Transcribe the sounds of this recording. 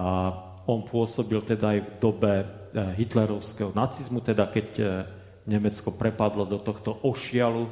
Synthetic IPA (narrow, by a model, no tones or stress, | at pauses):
a | ɔnpʊɔsɔbilt̪ɛd̪aːjvd̪ɔbɛ | ɦit̪lɛɾɔʊskɛɦɔnat͡sizmut̪ɛd̪akɛɟ | ɲɛmɛt͡skɔpɾɛpad̪lɔd̪ɔt̪ɔxt̪ɔʔɔʃɪalu